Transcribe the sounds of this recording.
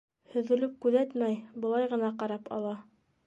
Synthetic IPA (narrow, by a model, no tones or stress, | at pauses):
hɵ̆ðɘ̆lɘp̚kʉðæt̪mæjbɤ̆lˠɑjʁɤ̆nɑqɑɾɑpɑ̰lˠɑ